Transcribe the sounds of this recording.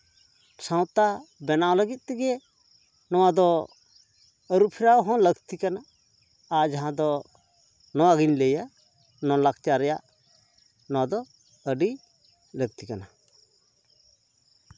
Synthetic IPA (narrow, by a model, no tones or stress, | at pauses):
sãw̃t̪abɛnawləɡit̪̚ˀt̪ɛɡɛ | nɔwad̪ɔ | əɾupʰiɾawɦɔ̃ləɡt̪ikanaː | d͡ʒaɦãd̪ɔ | nɔwaɡiɲləjaʔ | nɔ̃lak̚t͡ʃaɾɛjaʔ | nɔwad̪ɔ | əɖi | ləɡ̚t̪ikana